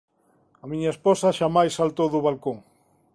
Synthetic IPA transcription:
ɐmiɲɐesposɐʃamajsːalt̪owðʊβalkoŋ

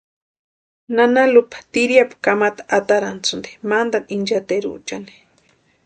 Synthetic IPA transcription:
nanalupḁt̪iɾjapḁkamat̪ḁʔat̪aɾant͡sund̪i̥mand̪anind͡ʒat̪eɾṵt͡ʃani̥

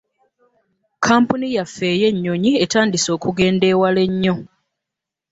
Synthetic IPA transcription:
kʰaːmpunijafːe̞ːje̞ɲːoɲie̞taːndiso̞ːkuɡe̞ːnde̞ːwale̞ɲːo̞

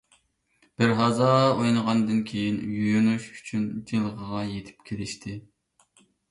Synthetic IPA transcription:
b̥ɪɾɦɑzɑojnəʁɑnd̪ɨnkʲʰejinjyjynuʃy̥t͡ʃʰynd͡ʒ̪ʰilˠəʁəʁɑjet̪ʰɪ̥pkʲʰelɪʃt̪ʰɪ

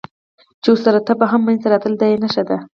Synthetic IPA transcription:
t͡ʃeosaɾat̪apaɦamːant̪aɾɑt̪əld̪ajenaʃad̪a

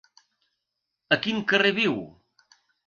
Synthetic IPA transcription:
əkiŋkəreβiw

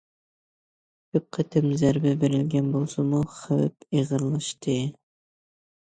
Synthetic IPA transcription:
k̪ʰøp̚qʰæt̪ʰɪmzæɾbɪbeɾɪlɡʲɛnbolˠsɨmuχæwæp̚eʁɨɾlˠɨʃt̪ʰɨ

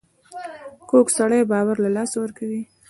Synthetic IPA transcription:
koksaɽəjbɑwaɾlalɑsawəɾkawi

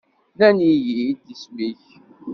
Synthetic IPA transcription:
nænijid̪ismiç

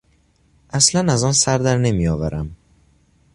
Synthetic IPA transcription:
ʔæslænæzɒnsæɾd̪æɾnemijɒːvæɾʔæm

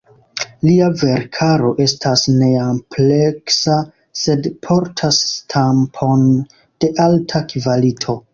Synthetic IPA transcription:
liave̞ɾkʰaɾo̞ʔe̞stʰasne̞ample̞ksa | se̞dpʰoɾtʰastʰampʰo̞n | d̥e̞ʔaltʰakivalitʰo̞

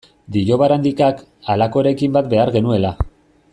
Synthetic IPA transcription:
d̪iʎo̞βaɾand̪ikak | alako̞ɾe̞kimbat̪be̞aɾɣe̞nue̞la

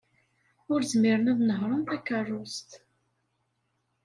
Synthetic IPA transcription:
ʊɾzmɪɾənæðnəɦɾˤənθækːərˤːʊst̪

